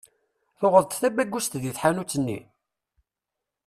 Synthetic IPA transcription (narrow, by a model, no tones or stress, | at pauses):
θoʁəðˤt̪θæbæɡːust̪ðjiθħanut͡sːənːḭ